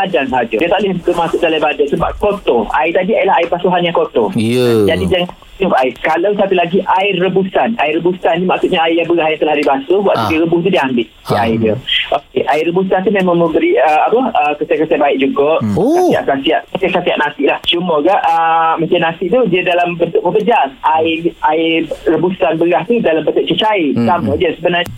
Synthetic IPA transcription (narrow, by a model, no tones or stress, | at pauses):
badaŋsəɦad͡ʒədiət̪aʔlɪhənt̪ʊʔ̚masʊʔ̚dalajbadansəba̰p̚kot̪oʔa̰it̪adiajlaɦaɪpasuɦanjaŋkot̪ɔ̰d͡ʒadid͡ʒaŋa | ubaɪkalawsat̪ulaɡiʔaɪrːəbusana̰ɪrəbusannimaʔksuʔɲaaijaŋbəɣaɦjaŋt̪əlahaibasəbwaʔ̪udiɾəbʊht̪̬udiəambɪt̪̚diaɪdiəʔokeʔaɪrəbusant̪̬umemãŋmə̃mbəɾiəapəəkəsakəsabaɪʔ̚d͡ʒuɡaʔsasia̰ʔsasiaʔasasasiaʔnasɪʔlaht͡ʃuməɡaʔəmat͡ʃanasɪʔ̚t̪udiədalambənt̪ʊʔ̚məpəd͡ʒarʔaɪʔaɪrəbusanbəɣaht̪udalambət̪əʔ̚t͡ʃət͡ʃaisaməʔd͡ʒiəsəbənar